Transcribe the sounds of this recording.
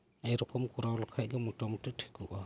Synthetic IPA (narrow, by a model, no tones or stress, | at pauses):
ɛjɾɔkɔmkɔɾawlɔkʰac̚ɡɛmutamɔtiʈʰɛ̥kuʔa